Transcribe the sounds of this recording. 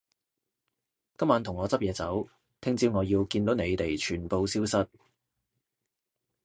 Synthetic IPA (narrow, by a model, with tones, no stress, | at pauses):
kɐ˥maː˨˧nt̪ʰʊ˨˩ŋːɔː˨˧t͡sɐ˥p̚jɛː˨˧t͡sɐ˨˥w | t̪ʰɪ˥ŋt͡siː˥wŋɔː˨˧jiː˧wkiː˧nt̪o˨˥wne˨˧jt̪e˨˩jt͡ʃʰyː˨˩npo˧wsiː˥wsɐ˥t̚